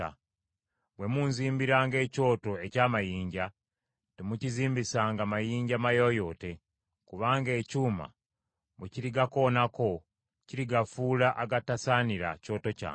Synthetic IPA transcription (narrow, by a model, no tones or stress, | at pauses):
a̰ | βwe̞munziːmbiɾaːŋɡe̞ːco̞ːto̞e̞caːmajiːɲɟa | temuciziːmbisaːŋɡamajiːɲɟamajo̞jo̞ːte̞ | kuβaːŋɡe̞ːcuːma̰ | βuciɾiɡako̞nako̞ | ciɾiɡafuːlaʔaɡatasaniɾa̰co̞ːto̞ca̰ː